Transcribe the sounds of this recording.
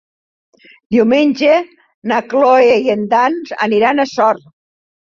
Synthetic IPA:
d̪iwmenʲʒe | nakloejend̪anza̰niɾanasɔɾ

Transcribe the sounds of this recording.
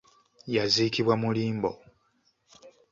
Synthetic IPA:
jazikiβwamuliːmbo̞̰

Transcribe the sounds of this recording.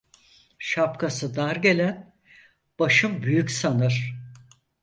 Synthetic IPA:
ʃap̚kʰasɯd̪aɾɟe̞lʲæn | b̥aʃɯmbyjycʲsanɯɾ̥

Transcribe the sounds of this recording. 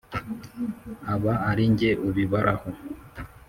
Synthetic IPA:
aβaaɾiɲɟeʔuβiβaɾʔaho

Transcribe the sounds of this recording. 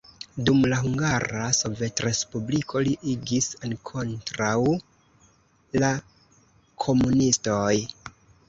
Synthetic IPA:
dumlaɦuŋɡaɾaso̞ve̞tɾe̞spublikʰo̞liʔiɡisankʰo̞ntɾaw | la | kʰo̞munisto̞j

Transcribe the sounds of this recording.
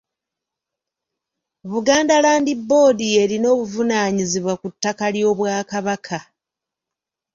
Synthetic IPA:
βuɡaːndalaːndibːo̞ːdie̞ɾino̞ːβuvunaːɲiziβwakutːakaljo̞ːβwaːkaβakʰa

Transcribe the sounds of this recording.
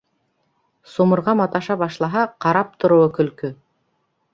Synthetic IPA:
somɤ̆ɾʁɑmɑt̪ɑʃɑβɑʃlˠɑɦɑqɑɾɑp̚t̪ʰŏɾŭwɤkɵ̆lkɵ

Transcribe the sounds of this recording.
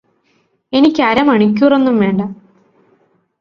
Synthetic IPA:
e̞nikʲːɐɾɐmɐɳik̬ʲːuːre̞nːumʋe̞ːɳɖɐ

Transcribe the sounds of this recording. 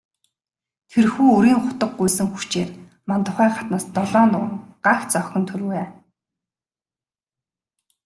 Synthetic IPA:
t̪ʰerxuːɵɾiːŋχʊt̪ə̆q̚ːujsɘ̆ŋxu̥t͡ɕeːr | mant̪ʊχæːχat̪naːst̪ɔɮɔːnʊŋŋɢaxt͡sœxʲɞ̆nt̪ʰɵɾ̆weː

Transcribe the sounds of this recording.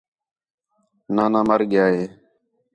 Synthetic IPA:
nãːnãːməɾɠjaːɦeː

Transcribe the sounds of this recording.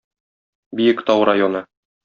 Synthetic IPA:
bijɘkt̪ɒwɾajonɤ

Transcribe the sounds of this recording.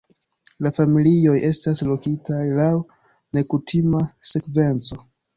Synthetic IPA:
lafamilio̞jʔe̞staslokitajlaw | ne̞kutʰimase̞kve̞nt͡so̞

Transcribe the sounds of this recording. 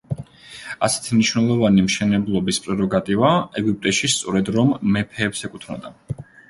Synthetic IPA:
asɛ̥t̪ʰimniʃnɛlˠɔvanimʃɛnɛblˠɔbispʼɾɛɾɔɡat̪ʼivaɛɡip̚ʼt̪ʼɛʃist̪sʼɔɾɛd̪ɾɔmːɛpʰɛːpsɛkʼut̪ʰnɔ̰d̪a

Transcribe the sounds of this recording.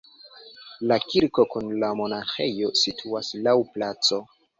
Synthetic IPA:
lakiɾko̞kunlamo̞naxḛjo̞sitʰuaslawplat͡so̞

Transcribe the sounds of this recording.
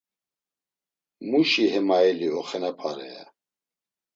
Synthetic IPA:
muʃiɦɛmaɛliɔχɛnapʰaɾɛ̰ɛ̰

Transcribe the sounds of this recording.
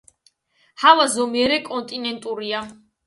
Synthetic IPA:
havazɔmiɛɾɛkʼɔnt̪ʼinɛnt̪ʼuɾia

